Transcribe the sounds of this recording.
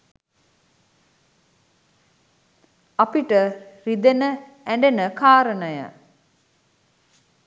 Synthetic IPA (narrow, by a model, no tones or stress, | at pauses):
apiʈərid̪enə | æɳɖenəkaːɾənəjə̰